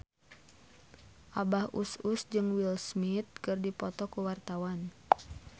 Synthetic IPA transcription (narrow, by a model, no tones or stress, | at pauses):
ʔabahʔṵsusd͡ʒɨŋwilsmit̪̚kɨrdipɔt̪ɔkuwart̪awan